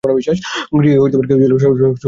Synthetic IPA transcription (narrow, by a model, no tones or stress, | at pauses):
ɔɾabiʃːaʃɡɾieɦojt̪epaɾeked͡ʑelʃ